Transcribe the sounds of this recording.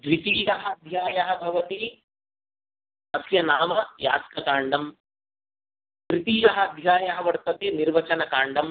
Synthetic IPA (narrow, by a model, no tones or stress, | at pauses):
dɾit̪iːjɐɦɐɐd̪ʱjaːjɐɦɐ̆bʱɐʋɐt̪i | ɐsjɐnaːmɐja̰ːskɐkaːɳɖɐm | kɾit̪iːjɐɦɐɐd̪ʱjaːjɐɦɐʋɐɽt̪ɐt̪eniɾʋɐt͡ʃɐnɐkaːɳɖɐm